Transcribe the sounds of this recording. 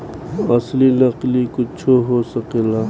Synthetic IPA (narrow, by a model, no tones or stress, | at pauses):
ɐslinəqlikʊt͡ʃʰoɦosəkelaː